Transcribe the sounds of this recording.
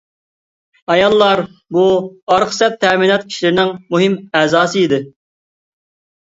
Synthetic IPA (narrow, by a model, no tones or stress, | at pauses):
ɑjɑlˠːɑɾbuɑɾχsɛp̚t̪ʰːɛminɑt̪̚kʲʰi̥ʃilɪɾɪnɪŋmuɦɪmɛːzɑːsɨid̪ɪ